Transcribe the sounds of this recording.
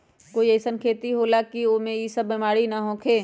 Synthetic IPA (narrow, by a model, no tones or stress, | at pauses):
koːiesənkʰeːt̪iɦoːlakioːmẽjisəbːimaːɽinaɦɔ̃ːkʰeː